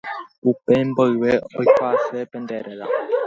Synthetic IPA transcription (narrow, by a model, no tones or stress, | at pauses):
upɛm̩bəweɔjkwasəpəndɛɾəla̰